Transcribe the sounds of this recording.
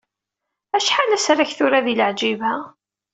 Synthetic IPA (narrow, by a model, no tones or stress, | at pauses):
æʃħalæsɾaçθʊɾaðiləʕd͡ʒivæ